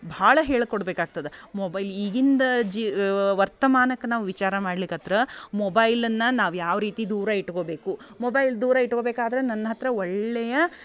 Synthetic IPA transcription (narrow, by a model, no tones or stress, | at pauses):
bʱaːɭɐɦeːɭkoɽbeːkaːɡ̚t̪ɐd̪emobɐjliːɡind̪ɐd͡ʒiʋɐɾt̪ɐmaːnɐkːenaːʋuʋit͡ʃaːɾɐmaːɽlikɐt̪ɾɐmɔbɐjlɐnːɐnaːʋujaːʋɾiːt̪id̪uːɾɐiʈko̞ːbe̞ːkumobɐjld̪uːɾɐiʈːko̞ːbeːkaːd̪ɐɾenɐnːɐɦɐt̪ɾɐɔɭːɛjɐ